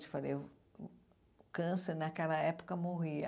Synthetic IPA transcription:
t͡ʃɪ̥falḛj | kɐ̃seɾnɐkɛlɐɛpo̥kɐmoɦiɐ̰

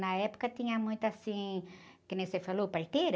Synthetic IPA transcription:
nɐɛpo̥kɐt̪ĩɲɐmũj̃t̪ʊasĩkenẽj̃sefalopaɾt̪eɾ

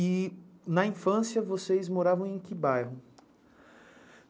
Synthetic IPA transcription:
ɪnɐĩfɐ̃sjɐvosejzmoɾavɐ̃w̃ẽj̃kɪbajɦʊ

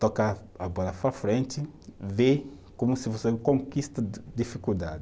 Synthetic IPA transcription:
t̪oka | ɐbɔlɐfɾɐfɾẽnt͡ʃ̪ɪve | komusivosekõŋkist̪ɐd̪ifikuld̪a̰d̪ɪ

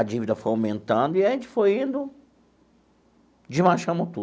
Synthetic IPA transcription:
ɐd͡ʒivid̪ɐfojawmẽnt̪ɐ̃nd̪ʊiɐʒẽnt͡ʃɪ̥fojĩnd̪ʊ | d͡ʒɪmaʃɐ̃mɐt̪u

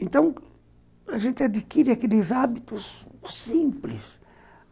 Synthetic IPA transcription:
ẽnt̪ɐ̃w̃ | ɐʒẽnt̪ɪad̪ikiɾɪakelɪzabit̪ʊssĩmplɪ̰s

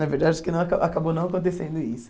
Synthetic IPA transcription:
nɐveɾd̪ad͡ʒɪkɪnɐ̃w̃akaʔakabonɐ̃w̃akõnt̪̬esẽnd̪ʊisʊ̥

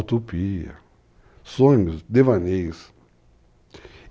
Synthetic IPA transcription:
t̪opiɐ̰ | sõɲusd̪evanes

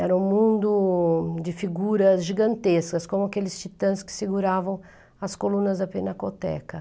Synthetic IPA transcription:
ɛɾɐũmũnd̪ʊd͡ʒɪfiɡuɾɐzʒiɡɐ̃nt̪eskɐskõmʊakelɪst͡ʃit̪ɐ̃skɪ̥sɪɡuɾavɐ̃w̃ | ɐskolũnɐzd̪ɐpenɐkot̪ɛ̰kɐ

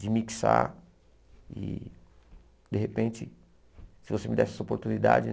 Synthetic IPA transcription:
d͡ʒɪmiksa̰ | ɪ̰ | d̪eɦepẽnt͡ʃɪ | sɪvosemid̪ɛsɛsopoɾt̪unid̪a̰d͡ʒɪ

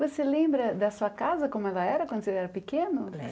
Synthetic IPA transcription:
voselẽmbɾɐd̪ɐsuɐkazɐkõmʊɛlɐɛɾɐkwɐ̃nd̪ʊselɛɾɐpekẽnʊ

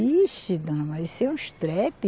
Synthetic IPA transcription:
iʃt͡ʃid̪ɐ̃mɐisɛũʃt̪ɾɛpi

